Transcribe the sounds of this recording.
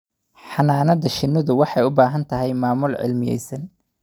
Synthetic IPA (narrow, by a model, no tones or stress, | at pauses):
ħɑnaːnɐðɐʃɪnʊðʊwɑħɑjʊbaːɦɐnt̪ʰɐɦɛjmaːmʊlʕɪ̰lmɪjɛ̰jsɐn